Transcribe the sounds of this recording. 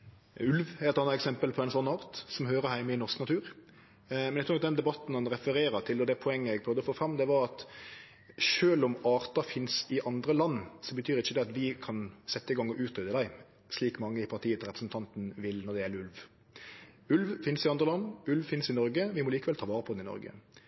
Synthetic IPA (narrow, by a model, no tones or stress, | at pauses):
ʉlʋɛɾɛt̪ɑnət̪ɛksɛmpəlpʰɔɛnsɔnːɑːɾt̪sɔmɦøːɾəhæɪməɪnɔʁsknɑt̪ʰʉːɾ | mɛnɛkt̪ʰːɑd̪ɛnd̪ɛbɑt̪ːn̩hɑnɾɛfəɾeːɾət̪ʰɪlɔd̪ɛpʰɔɛŋːəɛɡ̚pʰɾœʋd̪əfoːfɾɑmd̪ɛʋɑɾɑt̪ | ʃøːlɔmɑːɾt̪ɑfɪnsɪʔɑnd̪ɾəlɑnːsɔbət̪ʰyːɾɪçːəd̪ɛɑt̪ʋɪkʰɑnsɛt̪ːəɪɡɑŋːɔʔʉːt̪ɾʏd̪əd̪æɪ | sliːkmɑŋːəɪpʰɑʁt̪ʰiːət̪ɾɛpɾəsn̩t̪ʰɑnt̪n̩ʋɪlnɔd̪ɛjɛlːʉlʋ | ʉlʋfɪnsɪɑnd̪ʁəlɑnːʉlʋfɪnsɪnɔɾɡəʋɪmɔliːkəʋɛlt̪ʰɑːʋɑːʁəpʰɔd̪ɛnɪnɔ̰ɾɡə̰